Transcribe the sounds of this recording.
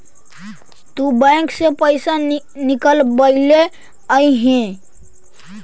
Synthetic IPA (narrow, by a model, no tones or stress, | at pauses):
t̪ubɛ̃ːksepəɪsa | nɪkəlbəɪle | əiɦɛ̃